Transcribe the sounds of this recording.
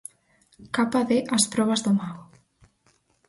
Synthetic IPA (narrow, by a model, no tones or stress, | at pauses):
kapaðeʔaspɾɔβazðomaɣo